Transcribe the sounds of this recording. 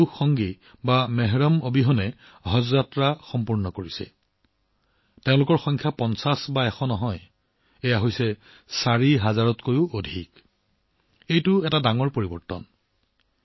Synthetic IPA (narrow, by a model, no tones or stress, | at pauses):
uxːɔŋɡi | bamɛɦɹɔmobiɦɔnɛ | ɔɦɔzzatɹaxɔmpuɹnɔkoɹisɛ̰ | teʊ̃lʊkɔɹxɔjŋkʰjapɔnsasbaɛxʰɔnɔɦɔj | ejaɦojsɛ | saɹiɦazaɹɔtkojʊodʱik | ejtʊɛtadaŋɔɹpoɹibɔɹtɔ̰n